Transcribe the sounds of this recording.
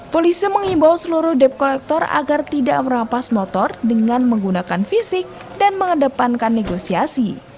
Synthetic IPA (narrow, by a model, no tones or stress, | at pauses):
polisiməŋimbawsəluɾʊhdɛp̚kolɛk̚t̪ɔra̰ɡart̪ida̰ʔməɾapasmɔt̪ɔrdəŋanməŋɡunakanfisɪk̚ | danməŋədəpankanːeɡosiasi